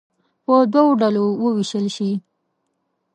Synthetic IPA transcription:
pəd̪wawoɖalowəwiʃəlʃi

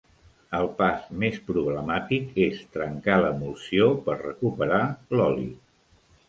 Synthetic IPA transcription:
əlˠpasmespɾuβləmat̪ikest̪ɾəŋkaləmusiopəɾrəkupəɾalɔlḭ

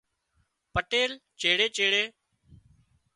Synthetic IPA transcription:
pəʈeːlt͡ʃeːɽeːt͡ʃeːɽeː

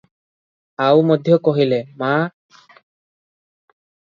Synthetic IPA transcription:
awmɔd̪ʱjɔkɔɦilema

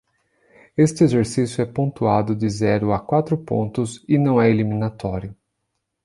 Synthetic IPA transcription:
est͡ʃ̪ɪezeɾsisjʊɛpõt̪uad̪ʊd̪ɪzɛɾʊakwat̪ɾʊpõ̰nt̪ʊzɪnɐ̃w̃ɛelimĩnat̪ɔɾjʊ

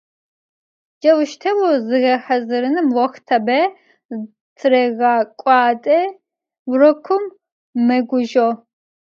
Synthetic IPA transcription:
d͡ʒɐwɨʃt̪ʰɐwɔzɨɣɐħɐzɨɾɨnɨmwɔxt̪ʰɐbɛ | t͡sʰɨɾɛɣaːkʷʼɑːtʼɛ | wɾɔkʷʰʊmː | ɐɡʷʊʒo

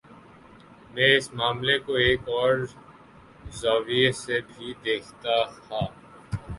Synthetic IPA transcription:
mɛ̃ːɪsmaːmlekoeːkɔːɾ | zaːʋiesebʱid̪eːkʰt̪ahaː

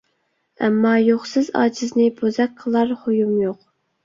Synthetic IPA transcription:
ɛ̰mːɑjoχsɨzɑ̰ːt͡ʃʰiznɪbozɛk̚ʲqʰəlˠɑɾhojumjoq̚

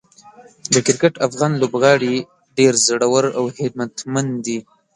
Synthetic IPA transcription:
d̪əkɪɾkaʈafɣɑnlobɣɑɽi | ɖeɾzəɽawəɾawhɪd̪̚mat̪mand̪i

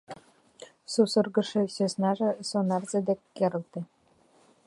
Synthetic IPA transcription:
susɤrɡə̆ʂĕɕøsnɑʒĕsonɑrzĕd̪ekːeɾɤ̆lt̪ĕ

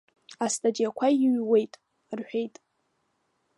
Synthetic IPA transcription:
astʰʼad͡ʒijakʷʰaiɥwe̞jtʼ | rħᶣejtʼ

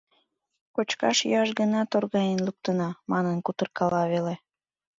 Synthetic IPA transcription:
kot͡ɕkɑ̰ʃj̰ɑʃɣənɑt̪orɣɑjənluk̚t̪ənɑmɑnənkut̪ərkɑlɑβele

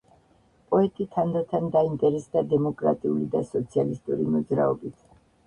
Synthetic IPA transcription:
pʼɔɛt̪ʼit̪ʰand̪at̪ʰand̪aint̪ʼɛɾɛsd̪ad̪ɛmɔkʼɾa̰t̪ʼiulid̪asɔt̪sʰialist̪ʼuɾimɔd̪zɾaɔbit̪ʰ

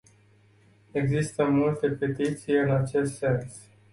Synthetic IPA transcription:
e̞ɡzist̪əmult̪e̞pe̞t̪it̪sijɨnat͡ʃe̞st̪se̞ns

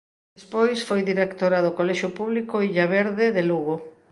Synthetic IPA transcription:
espojsfojðiɾekt̪oɾaðokolɛʃʊpuβlikoiʎaβeɾðeðeluɣo

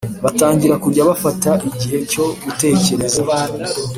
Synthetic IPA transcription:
βataːɲɟiɾakuɾɟaβafataʔiɟiɦe̞co̞βute̞ːce̞ɾe̞zeβaːni

